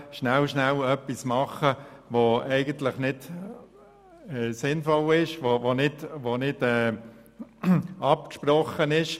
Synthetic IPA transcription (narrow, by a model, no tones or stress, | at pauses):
ʃnælʃnælœpːismɑχːəʋoɛɪɡənt̪ləχnɪd | ɛsɪnfɔlɪʃʋoʋonɪtʋonɪd̥ɛː | ɑp̚kʃpɾɔχənɪʃ